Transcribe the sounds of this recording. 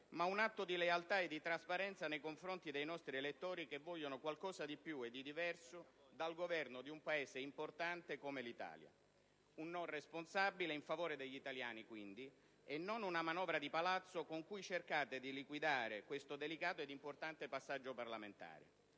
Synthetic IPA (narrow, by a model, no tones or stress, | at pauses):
maunat̪ːod̪ilealt̪aed̪ːit̪ɾaspaɾɛnt̪sanejkoɱfɾont̪id̪ejnɔst̪ɾielet̪ːoːɾikevːɔʎːonokwalkɔːsad̪ipjued̪ːid̪ivɛrsod̪alɡovɛrnod̪iumpaeːseimport̪ant̪ekomelit̪a̰ːlja̰ | unːoresponsabileiɱfavoːɾed̪eʎːit̪alja̰ːnikwind̪i | ɛnːonunamanɔːvɾad̪ipalat̪sːokoŋkujt͡ʃerkaːt̪ed̪ilikwid̪aːɾekwest̪od̪elikaːt̪oed̪ːimport̪ant̪epasːad͡ʒːoparlament̪a̰ːɾḛ